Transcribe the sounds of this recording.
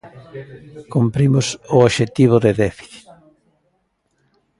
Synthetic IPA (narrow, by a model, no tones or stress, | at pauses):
kumpɾimʊsʊoʃet̪iβ̞ʊðeðɛfi̥θi̥t̪